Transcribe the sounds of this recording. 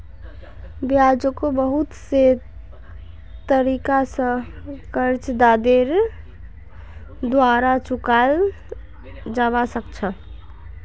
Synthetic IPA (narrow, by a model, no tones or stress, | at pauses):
bjad͡ʒəkobəɦut̪se | t̪əɾikasə̃kəɾt͡ʃd̪ad̪eɾ | d̪waɾat͡ʃukal | d͡ʒaʋasəkt͡ʃʰə